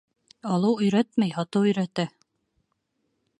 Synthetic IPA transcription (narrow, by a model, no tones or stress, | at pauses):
ɑlˠɤwɵ̆jɾæt̪mæjhɑt̪ɤwɵ̆jɾæt̪æ